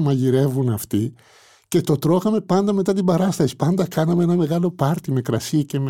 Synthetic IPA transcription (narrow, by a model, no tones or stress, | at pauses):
mɐʝiɾe̞vunɐft̪i | ce̞t̪o̞t̪ɾo̞xɐme̞pɐnd̪ɐme̞t̪ɐt̪ibɐɾɐst̪ɐsi̥pɐnd̪ɐkɐnɐmeenɐme̞ɣɐlo̞pɐɾt̪ime̞kɾɐsicem